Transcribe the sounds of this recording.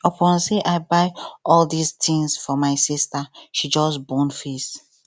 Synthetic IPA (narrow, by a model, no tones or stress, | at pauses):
ɔpʰɔ̃nseʔaɪbaɪʔɔldistʰĩŋsfɔmaɪsistaʃid͡ʒɔsbɔ̃nfis